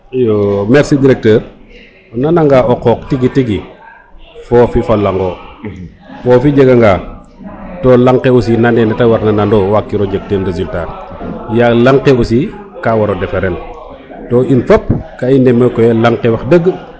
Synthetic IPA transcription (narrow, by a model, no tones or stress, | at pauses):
jɔmɛɾsidiɾɛk̚təːɾ | nanaŋɡaːʔɔqɔːk̚tiɡitiɡi | fɔːfifɐlaŋɡɔ | fɔːfid͡ʒəɡɐŋɡaː | tɔːlaŋkeosinanɛnɛtɐwaɾnɐnandɔːwakːiɾɔɟək̚tenɾezultaːrjalaŋqeosi | kawɐɾɔdɛfɛɾɛn | tɔːʔinfɔp̚kaindɛmːəkɔjɛlaŋkɛwɐxdəɡːə